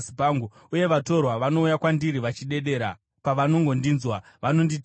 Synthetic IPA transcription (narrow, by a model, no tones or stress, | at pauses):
paŋɡu | uje̞ʋato̞rwaʋano̞ujakwandiɾiʋat͡ʃiɗe̞ɗe̞ːɾa | paʋano̞ŋɡo̞ndiːnzwa | ʋano̞ndit